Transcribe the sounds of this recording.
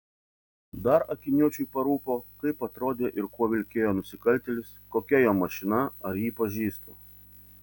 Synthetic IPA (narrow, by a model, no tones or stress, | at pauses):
d̪ɐɾɐkʲɪnʲuɔt͡ʃʲujpɐɾuːpoːkɐɪpɐt̪ɾoːd̪ʲeːʔɪɾkuɔʋʲɪlʲkʲeːjoːnʊsʲɪkɐlʲˑt̪ʲɛlʲɪskoːkʲɛjoːmɐʃʲɪnɐɐɾjiːpɐʒʲiːst̪o̰ː